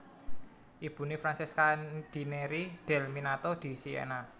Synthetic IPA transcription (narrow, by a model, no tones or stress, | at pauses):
ʔib̥ṳnifɾansiskad̪̥i̤neɾid̪̥ɛ̤lminat̪ɔd̪̥i̤siḛna